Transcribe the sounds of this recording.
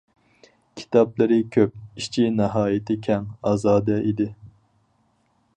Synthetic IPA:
kʲʰi̥t̪ʰɑplˠɨɾɪkʲʰøp̚iʃt͡ʃʰinɪɦɑːjɪt̪ʰɪkʲʰɛŋɑːzɑːd̪ɛʔid̪ɪ

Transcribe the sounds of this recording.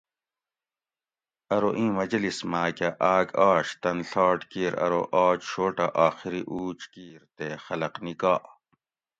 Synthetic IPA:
ɐɾoʔĩːmɐd͡ʑlismaːkɐʔaːɡaːɕt̪ɐnɬɑːʈkiːɾɐ̰ɾo̰ʔaːt͡ɕɕoːʈɐʔaːxiɾiʔuːt͡ʃkiːɾt̪eːxɐlɐqnikaːʔ

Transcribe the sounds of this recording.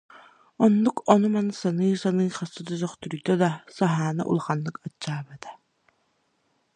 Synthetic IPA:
ɔnːukɔnumansanɯːsanɯːχasɯd̪ɔzœχt̪yɾyd̪œd̪asaɦaːnɯ̰ʔṵlˠaχanːɯkat͡ɕːaːbat̪ḁ

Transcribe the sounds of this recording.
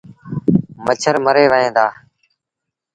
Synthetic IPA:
mət͡ʃʰəɾməɾeːʋəɦẽːd̪aː

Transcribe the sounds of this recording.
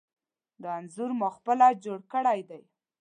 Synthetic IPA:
d̪əanzʊɾmuxpəlad͡ʒoɽkəɽajd̪aj

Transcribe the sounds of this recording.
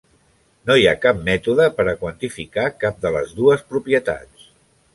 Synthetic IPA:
nojakap̚mɛt̪uðəpəɾəkwənt̪ifikakap̚d̪ələzðuəspɾupiət̪a̰t͡s

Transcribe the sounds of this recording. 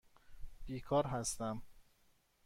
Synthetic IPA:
b̥iːkʰɒːɾɦæst̪æm

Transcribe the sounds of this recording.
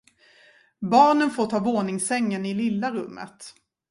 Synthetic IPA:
bɑːɳənfoːʈʰɑːvoːnɪŋsɛŋːənɪlɪlːaɾɵmːə̰t̪

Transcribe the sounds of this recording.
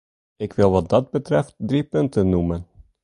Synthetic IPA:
ɪkʋɪlˠʋɑt̚dɑd̚bətrɛft̚dripɵntənːumən

